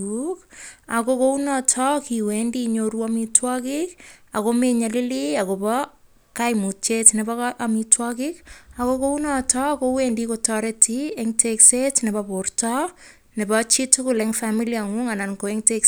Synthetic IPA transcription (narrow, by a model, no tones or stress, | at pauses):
ukakokounɔtʰɔkiwɛndiɲoɾuamitwɔkɪkakomeɲalɪliakopɔ | kajmut͡ʃetnɛbɔkʔamitwɔkɪkakokounɔtɔkowɛndikotɔɾɪtieŋtʰeksetnɛbaportɔ | nebɔt͡ʃitukʊlɛŋfamiliaŋuŋanankoeŋtek